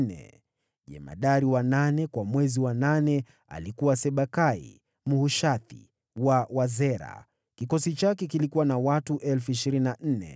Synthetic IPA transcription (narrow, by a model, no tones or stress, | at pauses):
nɛ̰ | ʄɛ̰ma̰ɗaɾiwananɛkwamwɛziwananɛ | a̰likuwasɛɓakaḭ | muhuʃaθḭ | wawazɛɾa̰ | kikɔsit͡ʃakɛk̬ilikuwanawatuʔɛlfuiʃiɾininan̩nɛ̰